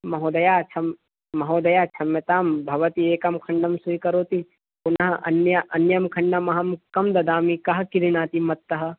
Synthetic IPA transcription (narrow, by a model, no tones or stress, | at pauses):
mɐɦoːd̪ɐjaːt͡ʃʰɐmː | ɐɦoːd̪ɐjaːt͡ʃʰɐmjɐt̪aːmbʱɐʋɐt̪ieːkɐmkʰɐɳɖɐmsuikɐɾoːt̪i | punɐɦɐʔɐ̰njɐʔɐnjɐmkʰɐ̃ɳɖɐmɐɦɐmkɐmd̪ɐd̪aːmikɐɦɐkiɾinaːt̪imɐt̪ːɐɦɐ̆